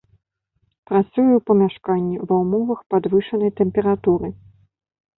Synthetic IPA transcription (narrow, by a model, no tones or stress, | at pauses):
pɾat̪sujɛwpɐmʲaʂkanʲːivɐwmɔvɐxpad̪vɨʂɐnɐjt̪ɛmpʲɛɾat̪uɾɨ